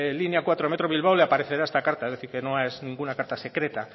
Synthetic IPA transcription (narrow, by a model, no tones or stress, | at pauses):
linjakwat̪ɾomet̪ɾo̞βilβ̞awleapaɾe̞θe̞ɾaest̪akaɾt̪aezðe̞θiɾkenoeznĩŋɡunakaɾt̪ase̞kɾe̞t̪a